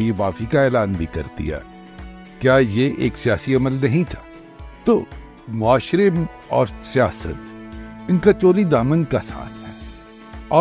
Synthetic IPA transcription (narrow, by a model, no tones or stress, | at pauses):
jeʋaːfikaɛːlaːnbʱikɐ̰ɾt̪ḭɦɛ̰ː | kjaːjeʔḛːksijaːsiɐməlnɐɦĩt̪ʰḁː | t̪o̰ː | mʊaːʃɾɪm | ɔ̰ːɾsijaːsə̰t̪ɪnkat͡ʃoːlid̪aːmənkasa̰ːnɦɛ̰ː | ɔː